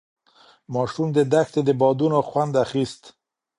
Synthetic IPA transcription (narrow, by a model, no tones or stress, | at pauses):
mɑʃumd̪əd̪axt̪ed̪əbɑd̪unoxwand̪axist̪